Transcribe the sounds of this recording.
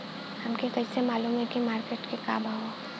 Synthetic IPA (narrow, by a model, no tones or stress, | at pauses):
hɐmkekɐisemaːluːmɦekimaːɾkeːʈkika̰ːbʱaɦoː